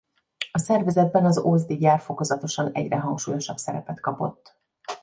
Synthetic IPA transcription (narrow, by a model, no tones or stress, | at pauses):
ɒsɛrvɛzɛd̪̚bɛnɒzoːzd̪iɟaːrfo̞ko̞zɒt̪o̞ʃɒnɛ̰ɟrɛɦɒŋkʃuːjo̞ʃɒbsɛɾɛpɛt̪kɒpo̞̰t̪ː